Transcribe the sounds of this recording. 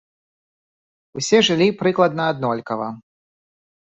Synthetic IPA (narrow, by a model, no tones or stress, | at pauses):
usʲɛʐɨlʲipɾɨklˠɐd̪nɐːd̪nɔlʲkɐvɐ